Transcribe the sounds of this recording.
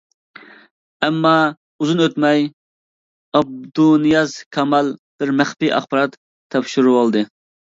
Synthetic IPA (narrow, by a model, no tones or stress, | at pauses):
ɛmːɑ | uzunøt̪mɛj | ɑb̚d̪unɨjɑzkʲʰɑmɑlˠb̥ɪɾmæχpiʔɑ̰χbɑɾɑt̪ʰː | ɛpʃuɾuwɑlˠd̪ɨ